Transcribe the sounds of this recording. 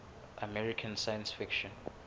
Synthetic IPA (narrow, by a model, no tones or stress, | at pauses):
ʔəmɛɹikʰə̃nsajə̃nsfɪkʃɔ̃n